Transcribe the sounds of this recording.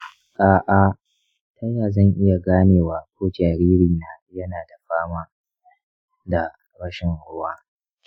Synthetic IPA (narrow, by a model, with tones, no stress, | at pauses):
ʔaː˨ʔa˨ | tʰa˦jaː˨zɐ˦˨ŋʔɪ˦ja˨ɡaː˦neː˨waː˨kʷoː˦d͡ʒaː˨ɾiː˦ɾi˨naː˦jɐ˦naː˨da˨ɸaː˦maː˦ | da˨ | ɾɐ˦ʃɪ˨ŋhʊ˦waː˦